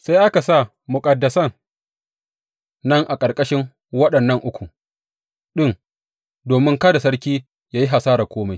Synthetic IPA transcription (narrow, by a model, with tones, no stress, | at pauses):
sa˦jʔa˦ka˨sa˦˨ | mʊ˨kʼɐ˨dːɐ˨sɐ˦˨n | ɐ˦ŋʔa˨kʼɐ˨rkʼɐ˦ʃɪ˦ŋ | wɐ˦ɗɐ˨nːɐ˦˨ŋʔʊ˦kʷu˨ | ɗɪ˦n | doː˨mɪ˦ŋkɐ˦da˨sɐ˦ɽkʲiː˦ | jaː˦ji˦ɦa˨saː˦ɾaː˨kʷoː˦ma˨˦j